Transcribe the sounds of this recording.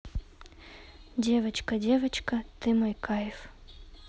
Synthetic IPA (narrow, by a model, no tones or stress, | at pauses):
dʲevɐt͡ɕkɐdʲevɐt͡ɕkɐt̪ɨmɐjkajɪf